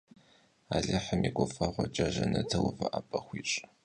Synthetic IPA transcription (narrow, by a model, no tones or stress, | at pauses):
aːɮɐħəmiɡʷʼɔfaːʁʷɔd͡ʒʼɐʒɐnɐtʰɐwʊvɐʔapʼɐxʷiːɕʼ